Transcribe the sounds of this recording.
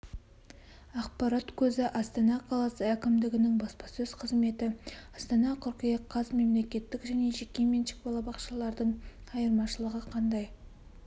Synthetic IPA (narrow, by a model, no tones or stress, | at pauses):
ɑqpɑɾat̪kʲʰɵzɪʔɑst̪ɑnɑqʰɑlˠɑsəækʲɪmd̪ɪɡʲɪnɪŋbɑspɑsɵz̥qʰəzme̞t̪ɪɑst̪ɑnɑqʰʊɾqəjɑqqʰːɑsme̞mle̞kʲe̞t̪ːɪkʒæne̞ʒekʲːe̞menʃɪ̥k̚bɑlˠɑbɑqʃɑlˠɑɾd̪əɴɑjəɾmɑʃəlˠəʁəqʰɑnd̪ɑj